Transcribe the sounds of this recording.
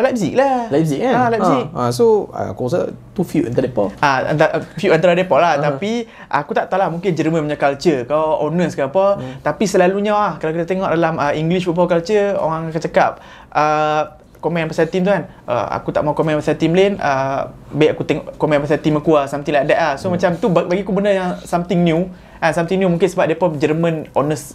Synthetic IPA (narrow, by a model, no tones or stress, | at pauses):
lɛb̚sik̚lalɛzikaalɛzik̚əsoa̰kusət̪ufjuʔa̰nt̪adepɔ̰a̰nt̪afjuʔant̪aɾadepɔʔlaht̪api | ʔakut̪aʔt̪alamuŋkɪnd͡ʒəɾiməpəɲakalt͡ʃəkaʔonəskapɔt̪apisəlaluɲaahkalakit̪at̪eŋɔʔdalaməiŋɡliʃupawkalt͡ʃəo̰ɣaŋakat͡ʃakap̚ | ə | komɛ̃npasat̪imt̪ukanʔə̰a̰kut̪a̰ʔmaukomɛ̃npasat̪imlɛnʔə | biʔakut̪eŋɔʔkomɛ̃npasat̪imakuasamt̪iŋlaadɛʔlahsomat͡ʃamt̪ubabaɡiakubənəjaŋsamt̪iŋnju | ʔansamt̪iŋnjumuŋkɪnsəbap̚depɔd͡ʒərmə̃nonəs